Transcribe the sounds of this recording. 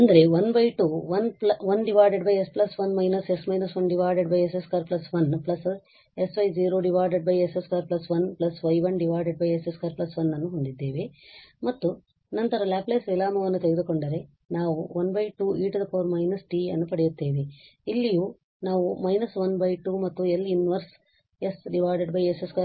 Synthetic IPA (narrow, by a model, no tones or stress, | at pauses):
ɐnd̪ɐɾe̞ʋɐnbɐjʈuʋɐnplɐʋɐnɖiʋaːɾɖeɖbɐjesplɐsʋɐnmɐjnɐsesmɐjnɐsʋɐnɖiʋaːɾɖeɖbɐjeseskaːɾplɐsʋɐnplɐs | e̞sʋɐjd͡ʒiːɾoːɖiʋaːɾɖeɖbɐjeseskaːɾplɐsʋɐnplɐsʋɐjʋɐnɖiʋaːɾɖeɖ̚bɐjeseskaːɾplɐsʋɐnːɐnːuɦond̪id̪ːeːʋemɐt̪ːu | nɐnt̪ɐɾɐlaːpleːsʋilaːmɐʋɐnːut̪eɡed̪uko̞ɳɖɐɾe̞ | naːʋuʋɐnbɐjʈuːiːʈd̪ɐpʰoːɾmɐjnɐsʈiːɐ̰nːupɐɽejut̪ːeːʋeilːijuː | naːʋumɐjnɐsʋɐnbɐjʈuːmɐt̪ːuelinʋɐɾs | esɖiʋaːɾɖeɖbɐjeseska